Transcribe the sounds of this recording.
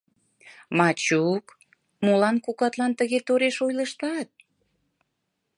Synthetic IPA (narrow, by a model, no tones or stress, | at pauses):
mɑt͡ɕuk | molɑnkukɑt̪lɑnt̪əɣet̪oɾeʃojləʃt̪ɑt̪̚